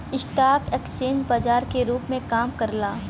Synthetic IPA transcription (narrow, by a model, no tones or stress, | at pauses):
ɪʃʈaːkɛːkst͡ʃeːnd͡ʒbaːd͡ʒaːɾkeɾuːpmẽkaːmkɐɾlaː